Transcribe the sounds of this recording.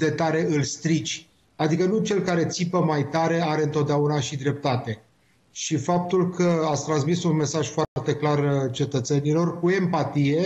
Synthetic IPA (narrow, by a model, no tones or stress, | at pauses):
d̪e̞t̪aɾe̞ɨlst̪ɾit͡ʃʲ | ad̪ikənut͡ʃe̞lkaɾe̞t̪sipəmajt̪aɾe̞aɾe̞ɨnt̪ot̪̚d̪eaunaʃid̪ɾe̞p̚t̪at̪e̞ | ʃifap̚t̪ulkʰəat̪st̪ɾansmisunme̞saʒ̥foart̪e̞klart͡ʃe̞t̪ət̪se̞nilo̞rkue̞mpat̪ije̞